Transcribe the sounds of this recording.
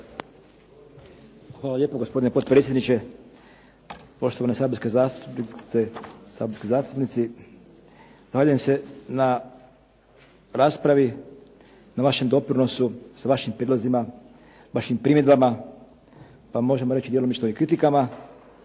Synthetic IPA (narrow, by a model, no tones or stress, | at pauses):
xʋaːlaʎeːpoɡospo̞d̪ine̞po̞t̪pɾetsʲjed̪nit͡ʃe̞ | po̞ʃt̪o̞ʋanesaːboskezaːst̪upnisesa̰b̪skozaːst̪upnit̪si | z̥axaʎujemse̞na | ɾaːspɾaʋi | naʋaʃe̞md̪o̞pɾino̞susaʋaʃimpɾiːlˠozima | ʋaʃimpɾimjed̪bama | pamo̞ʒemoɾe̞t͡ʃid̪jelomist̪oʋikɾit̪ikama